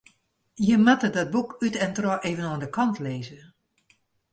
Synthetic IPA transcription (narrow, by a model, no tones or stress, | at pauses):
jəmatədɔt̚bukytɛntrɔʔeːvənoəndəkʰɑntʰleːzə